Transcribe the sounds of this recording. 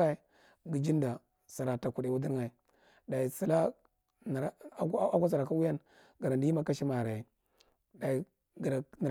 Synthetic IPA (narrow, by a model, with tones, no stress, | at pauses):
a˦i˨ | ɡi˨d͡ʒi˦n˦da˨ | sa˨ɾa˨ta˨ku˨de˨wu˦di˦ɾa˨i˨ | da˨i˨si˨la˦ | n˨˦ku˦s̬a˨ɾa˨ka˦wu˦ja˦n | ɡa˨ɾa˨ndi˦ma˦ka˦ʃi˦ma˨ɾa˨ji˨ | da˨i˨ | ɡɾa˨n˨